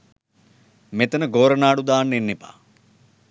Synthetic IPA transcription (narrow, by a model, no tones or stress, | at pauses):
met̪ənəɡoːɾɐnaːɽud̪aːnːenːipa̰ː